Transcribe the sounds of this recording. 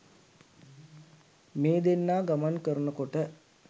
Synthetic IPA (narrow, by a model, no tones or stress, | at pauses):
meːd̪enːaːɡamankəɾənəkoʈə